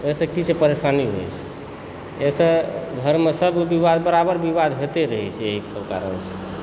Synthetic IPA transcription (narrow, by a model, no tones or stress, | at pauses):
esə̃kisʰepəɾesaniɦo̰jt͡ʃʰɛ̥ | esə̃d̪ʱəɾmesəbbiʋad̪bəɾabəɾbiʋad̪ɦet̪eɾəɦɛjt͡ʃʰɛeɦiksəbka̰ɾənse̥